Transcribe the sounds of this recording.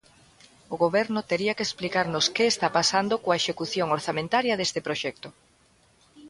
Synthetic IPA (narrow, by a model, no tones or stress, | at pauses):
ʊɣoβɛɾnʊt̪eɾiɐkesplikaɾnʊskeːst̪apasand̪okoɐeʃekuθjoŋoɾθamẽnt̪aɾjɐðest̪ɪpɾoʃɛk̚t̪ʊ